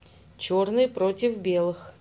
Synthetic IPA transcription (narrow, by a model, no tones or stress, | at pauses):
t͡ɕornɨjpɾotʲɪfbʲe̞lˠɨx